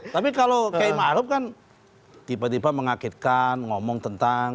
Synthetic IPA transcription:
t̪apikalokaimaɾʊp̚kan | d̪̥ipət̪ibaməŋakɪt̪̚kanŋɔmɔŋt̪ənt̪aŋ

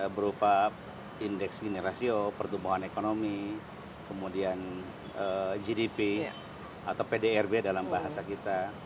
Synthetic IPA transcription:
bəɾupa | indɛksɡineɾasiopərt̪umbuɦanekonomi | kəmudian | əd͡ʒidipi | at̪awpedeɛrbedalambaɦasakit̪a

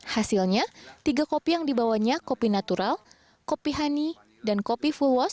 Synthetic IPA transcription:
hasilɲat̪iɡakopijaŋdibawaɲakopinat̪uɾal | kopiɦani | dankopifulwɔs

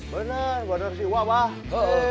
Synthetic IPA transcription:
bənərbənərsiwabah

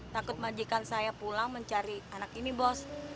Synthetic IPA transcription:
t̪akʊt̪̚mad͡ʒikansajapulaŋməɲt͡ʃaɾianakinibɔs

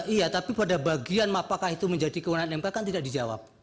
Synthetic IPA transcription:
ijat̪apipadabaɡianmapakahit̪uməɲd͡ʒadikəwənanɛmkakant̪idaʔ̚did͡ʒawa̰p̚

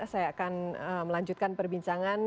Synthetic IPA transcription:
sajaːkanəməlaɲd͡ʒut̪̚kanpərbiɲt͡ʃaŋan

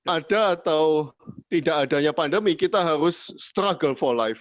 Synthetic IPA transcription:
adaːt̪awt̪idaʔadaɲapandəmikit̪aɦaɾʊsːt̪ɾaɡəlfɔrlaɪf

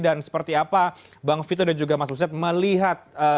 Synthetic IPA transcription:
dansə̥pərt̪iapa | baŋfit̪̬odad͡ʒuɡamasusiat̪̚məliɦat̪̚ə

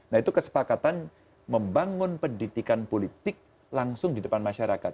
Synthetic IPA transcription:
nait̪ukəsə̥pakat̪an | məmbaŋʊnpəndidikanpolit̪ɪk̚ | laŋsʊŋdidəpanmaʃaɾakat̪̚

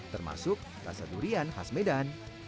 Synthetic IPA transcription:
t̪ərma̰sʊk̚ | ra̰sat̪uɾianhasmedan

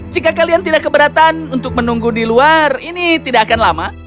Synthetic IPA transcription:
d͡ʒikakaliant̪idaʔkːəbəɾat̪anunt̪ʊk̚mənuŋɡudiluarinit̪idaʔakanlama

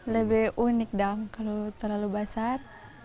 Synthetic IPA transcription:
ləbɛʔunik̚daŋkalut̪ərlalubasar

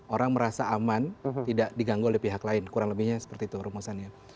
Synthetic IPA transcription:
oɾaŋməɾasaʔamant̪idaʔdiɡaŋɡoolɛhpiɦaklaɪnkuɾaŋləbɪhɲasə̥pərt̪iːt̪uɾumusanɲa

